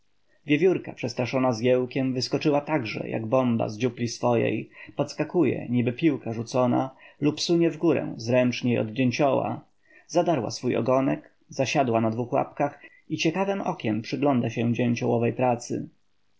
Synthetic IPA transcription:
vʲjevʲjuɾkapʂɛst̪ɾaʂɔnazɡʲɛwkʲɛmvɘskɔt͡ʂɘwat̪aɡʐɛ̰jʔa̰ɡbɔmba̰zd͡ʑuplʲisfɔjɛ̰jpɔt̪skakujɛ̰ɲibɘpʲiwkaʐut̪sɔna̰lupsuɲɛvɡuɾɛ̰w̃zɾɛnt͡ʂɲejɔ̰d̪d͡ʑeɲt͡ɕɔwa̰ | zad̪aɾwa̰sfujɔ̰ɡɔnɛk | zaɕad̪wanad̪vuxwa̰pkax | it͡ɕɛkavɛmɔkʲɛmpʂɘɡlɔnd̪aɕɛd͡ʑɛɲt͡ɕɔwɔvɛjpɾat̪sɘ̰

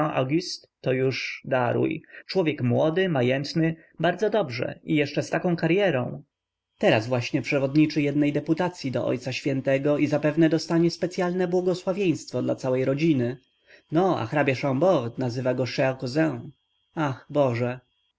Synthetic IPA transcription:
aʔa̰ɡʲist̪ː | ɔjuʂd̪aɾṵjt͡ʂwɔvʲjɛkmwɔd̪ɘmajɛnt̪nɘ | baɾd̪zɔd̪ɔbʐɛ̰ijɛʂt͡ʂɛst̪akɔ̃w̃kaɾjɛɾɔ̃w̃ | t̪ɛɾazvwaɕɲɛpʂɛvɔd̪ɲit͡ʂɘjɛd̪nɛjd̪ɛput̪at̪sʲjid̪ɔ̰ʔɔ̰jt̪saɕfʲjɛnt̪ɛɡɔʔizapɛvnɛd̪ɔst̪aɲɛspɛt̪sʲjalnɛbwɔɡɔswavʲjej̃st̪fɔd̪lat̪sawɛjɾɔd͡ʑinɘ | nɔa̰xɾabʲjaʂãmbɔɾt̪nazɘvaɡɔʂɛakɔzɛ̃ | axbɔʐɛ

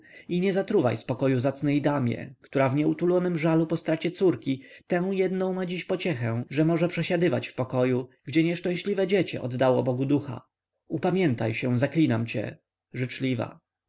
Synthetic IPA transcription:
iɲɛzat̪ɾuva̰jspɔkɔjuzat̪snɛjd̪amʲjɛ̰kt̪uɾavɲɛut̪ulɔnɘmʐalupɔst̪ɾat͡ɕɛt̪suɾkʲit̪ɛ̃w̃jɛd̪nɔ̃w̃mad͡ʑiɕpɔt͡ɕɛxɛ̃ʐɛmɔʐɛpʂɛɕad̪ɘvat͡ɕfpɔkɔjuɡd͡ʑɛɲɛʂt͡ʂɛ̃w̃ɕlʲivɛd͡ʑɛt͡ɕɛ̰ʔɔ̰d̪ːawɔbɔɡud̪uxa̰ | upamʲjɛnt̪ajɕɛzaklʲinamt͡ɕɛ̰ | ʐɘt͡ʂlʲiva̰

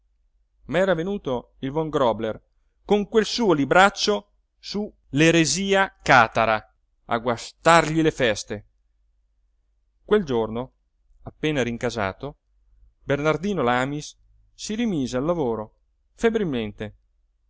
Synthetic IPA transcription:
maɛːɾavenuːt̪o | ilvɔŋɡɾɔbler | koŋkwelsuːolibɾat͡ʃːo | su | leɾeziːakaːt̪aɾa | a̰ɡwast̪arʎilefɛst̪e | kweld͡ʒorno | apːeːnaɾiŋkaza̰ːt̪o | bernard̪iːnolaːmisː | iɾimiːzealːavoːɾo | febɾilment̪e

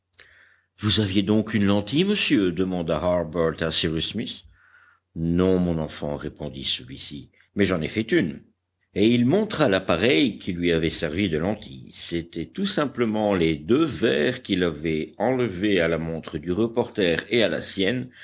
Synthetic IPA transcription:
vuzavjed̪ɔ̃kynlɑ̃t̪iməsjød̪əmɑ̃d̪aɦaʁbœʁt̪asiʁysmis | nɔ̃mɔ̃nɑ̃fɑ̰̃ʁepɔ̃d̪ḭsəlɥisi | mɛʒɑ̃nefɛt̪yn | eilmɔ̃t̪χalapaʁɛjkʰʲilɥiavɛsɛʁvid̪əlɑ̃t̪ʰḭset̪ɛt̪usɛ̃pləmɑ̃led̪øvɛʁkilavɛɑ̃ləvealamɔ̃t̪χəd̪yʁəpɔʁt̪ɛːʁeala̰sjɛn

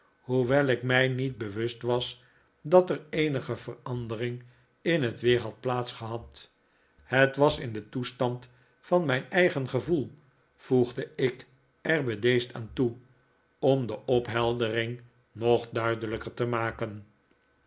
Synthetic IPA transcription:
huʋɛlˠɪkmɛjnit̚bəʋɵstʋɑs | dɑtərejnəχəvərɑndərɪŋ | ɪnɦətʋɪːɹɦɑt̚plaːtsχəɦɑt | hətʋɑsɪndətustɑnt | fɑnmɛjnɛjχənχəvulˠ | v̥uχdəɪk | ɛɹbədejsta̰ːntu | ɔmdəʔɔpɦɛlˠdərɪŋ | nɔχdœɥdələkəɹtəmaːkən

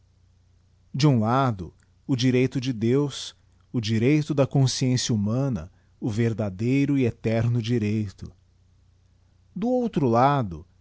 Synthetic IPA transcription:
d͡ʒɪũlad̪ʊ̰ | ʊd͡ʒiɾejt̪ʊd͡ʒɪd̪ews | ʊd͡ʒiɾejt̪ʊd̪ɐkõsiẽsjɐumɐ̃nɐ̰ | ʊveɾd̪ad̪ejɾʊiet̪ɛɾnʊd͡ʒiɾejt̪ʊ | d̪ʊowt̪ɾʊlad̪ʊ̰

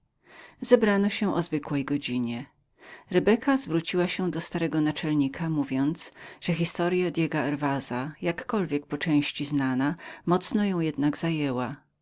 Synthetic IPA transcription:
z̥ɛbɾanɔɕɛʔɔzvɘkwɛjɡɔd͡ʑiɲɛ | ɾɛbɛkʰazvɾut͡ɕiwaɕɛd̪ɔst̪aɾɛɡɔnat͡ʂɛlɲikʰamuvʲjɔnt̪sʐ̥ɛxʲist̪ɔɾjad̪ʲjɛɡaɛɾvazajakːɔlvʲjɛk̚pɔt͡ʂɛ̃w̃ɕt͡ɕiznanamɔt̪snɔjɔ̃w̃jɛd̪naɡzajɛwa

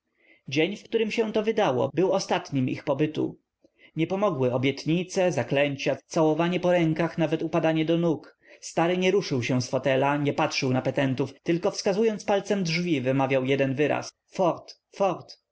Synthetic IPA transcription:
d͡ʑeɲfkt̪uɾɘmɕɛ̃t̪ɔvɘd̪awɔ̰bɘwɔst̪at̪ɲimḭxpɔbɘt̪ṵ | ɲɛpɔmɔɡwɘɔbʲjɛt̪ɲit̪sɛzaklɛɲt͡ɕat̪sawɔvaɲɛpɔɾɛŋkaxnavɛt̪upad̪aɲɛd̪ɔnuk | st̪aɾɘɲɛɾuʂɘwɕɛ̃sfɔt̪ɛlaɲɛpatʂɘwnapɛt̪ɛnt̪uft̪ɘlkɔfskazujɔnt̪spalt̪sɛmdʐvʲivɘmavʲjawjɛd̪ɛnvɘɾa̰s | fɔɾt̪ | fɔɾt̪

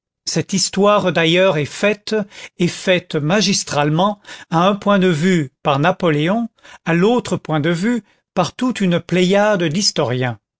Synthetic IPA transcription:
sɛt̪ist̪waʁd̪ajœʁɛfɛt̪efɛt̪maʒist̪χalmɑ̃aɛ̃pwɛ̃d̪əvypaʁnapɔleɔ̃alot̪χəpwɛ̃d̪əvy | paʁt̪ut̪ynplɛjad̪əd̪ist̪ɔʁjɛ̃

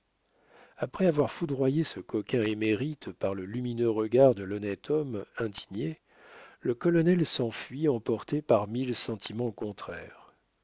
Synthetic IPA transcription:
apχɛavwaʁfud̪ʁwajesəkɔkʲɛ̃emeʁit̪paʁləlyminøʁəɡaʁd̪əlɔnɛt̪ʰɔmɛ̃d̪iɲe | ləkɔlɔnɛlsɑ̃fɥiɑ̃pɔʁt̪epaʁmilsɑ̃t̪ʰimɑ̃kɔ̃t̪χɛʁ

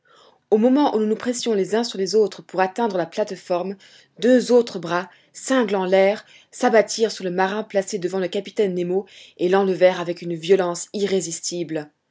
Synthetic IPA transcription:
omɔmɑ̃ʔununupχɛsjɔ̃lezɛ̃syʁlezot̪χəpuʁat̪ɛ̃d̪ʁəlaplat̪fɔʁm | d̪øzot̪χəbʁa | sɛ̃ɡlɑ̃lɛːʁ | sabat̪ʰiʁsyʁləmaʁɛ̃plased̪əvɑ̃ləkapi̥t̪ɛnːemoelɑ̃ləvɛʁavɛkynvjɔlɑ̃siʁezist̪ʰibl

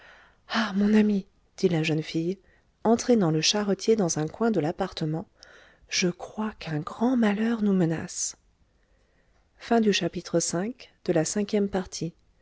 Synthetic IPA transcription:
amɔ̃nami | d̪̥ilaʒœnfij | ɑ̃t̪χɛnɑ̃ləʃaʁət̪ʰjed̪ɑ̃zɛ̃kwɛ̃d̪əlapaʁt̪əmɑ̃ | ʒ̥əkχwakɛ̃ɡʁɑ̃malœʁnuməna̰s | fɛ̃d̪yʃapit̪χəsɛ̃kd̪̥əlasɛ̃kʲjɛmpaʁt̪ʰi

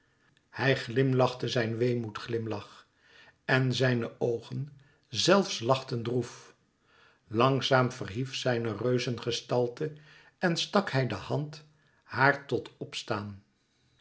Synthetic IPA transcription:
hɛjχlɪmlɑχtəzɛjnʋejmutχlɪmlɑχ | ɛnzɛjnəʔowχən | zɛlˠfslɑχtəndruf | lɑŋzaːmv̥ərɦifsɛjnərøɥzənχəstɑlˠtə | ɛnstɑkhɛjdəhɑnt | haːɹtɔtɔpstaːn

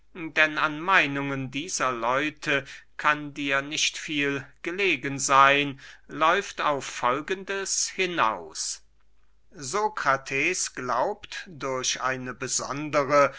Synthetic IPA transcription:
dɛnanmaɪnʊŋəndiːzɐlɔʏtʰəkʰandiːɐnɪçtfiːlɡ̥əleːɡənzaɪnlɔʏfta̰ʊfːɔlɡəndəshɪna̰ʊs | zokʁ̥atʰɛːsɡ̥laʊptd̥ʊɐɕʔa̰ɪnəbəzɔ̰ndəʁə

